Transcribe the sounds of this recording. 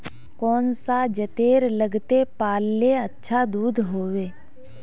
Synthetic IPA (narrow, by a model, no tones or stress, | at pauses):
kɔːnsad͡ʒət̪eːɾləɡt̪epaːlːeətːʃʰad̪uːd̪ʱɦoːʋeː